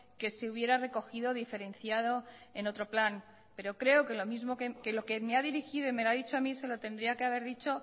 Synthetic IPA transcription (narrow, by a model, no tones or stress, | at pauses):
ke̞se̞uβ̞je̞ɾare̞ko̞xiðoðife̞ɾe̞nθjaðo̞e̞no̞t̪ɾo̞plan | pe̞ɾo̞kɾe̞oke̞lo̞mizmo̞kekelo̞kemeaðiɾixiðoime̞laðit͡ʃoamise̞lo̞t̪end̪ɾiake̞aβ̞e̞ɾðit͡ʃo̞